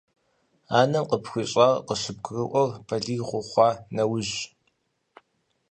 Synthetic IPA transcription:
aːnɐmqəpxʷiːɕʼaqəɕɨb̚ɡʰrɨʔʷɔrpʰɐɮiːʁʷʊχʷɑːnɐwʊʑ

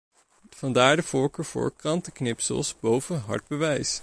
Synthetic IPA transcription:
fɑndaːɹdəv̥ʊːɹkəːɹv̥ʊ̰ːɹkrɑntəknɪpsə̰lˠsbowvəɦɑ̰ɹd̚bəʋɛjs

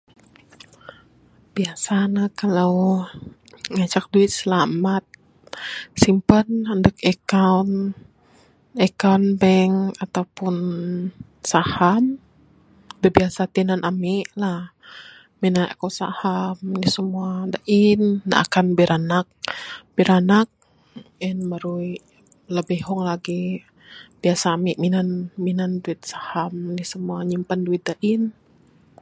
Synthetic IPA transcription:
b̥iasanakalaw | ŋat͡ʃak̚duit̪̚səlamat̪̚ | simpənəndəkɛkawn | ɛkawnbɛŋat̪awpun | saham | bəbiasat̪inanʔamiʔlah | minana̰kosa̰hamnisəmuadaʔɪnːa̰ʔa̰kanbiɾʔanak̚b̥iɾanak̚ | ɛnməɾui | ləbihɦɔŋlaɡi | b̥iasaːmiʔminanminanduɪt̪̚sahamnihsəmuaɲimpanduɪt̪̚daʔin

